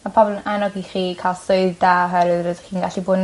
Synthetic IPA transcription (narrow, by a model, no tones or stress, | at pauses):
mapʰɔblˠnanɔɡiχiːkʰaːlˠsoɨðdaːɦɛɾɨðɾəðχiːnɡaɬibʊːdn